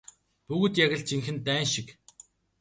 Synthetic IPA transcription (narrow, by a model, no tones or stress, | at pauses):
puɣɵ̆t̪jaɣʲə̆ɮt͡ɕiŋxɘ̆nt̪æːnʃik